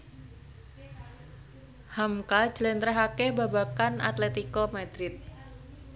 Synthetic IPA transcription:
hamkḁd͡ʒlɛnt̪ɾɛɦakebabakanʔa̰t̪lɛt̪ikɔmad̪ɾɪt̪̚

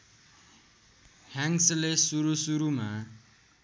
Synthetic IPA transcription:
haŋslesuɾusuɾuma

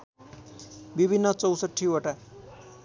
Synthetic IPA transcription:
bibʱinːʌt͡sʌwsəʈʰːioʈa

